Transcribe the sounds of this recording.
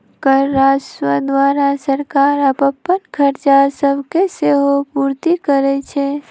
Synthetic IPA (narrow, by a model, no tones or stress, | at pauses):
kəɾːaːswəd̪ʋaːɾasəɾkaːɾəbəpːənkʰəɾt͡ʃasəbʱkeseɦopuːɾt̪ikəɾɛt͡ʃʰe